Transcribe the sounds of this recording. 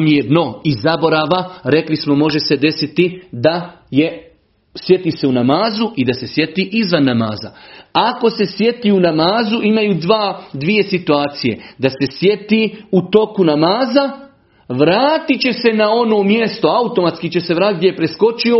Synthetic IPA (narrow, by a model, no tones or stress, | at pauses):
mjedno̞izabo̞ɾaːʋaɾe̞klismo̞mo̞ʒe̞se̞d̪e̞sit̪id̪a | je̞ | sje̞t̪ise̞unamaːzuid̪ase̞sje̞t̪iʔizʋanːama̰ːza̰ako̞se̞sje̞t̪iːunamaːzuʔimajuːd̪ʋaːd̪ʋije̞sit̪uaːt̪sije̞̰d̪ase̞sje̞t̪iut̪o̞kunamaːza | ʋɾaːt̪it͡ɕe̞se̞nao̞no̞ːmje̞st̪oaut̪o̞mat̪skit͡ɕese̞ʋɾaːt̪it̪ɡ̪ʲejepɾe̞sko̞t͡ʃio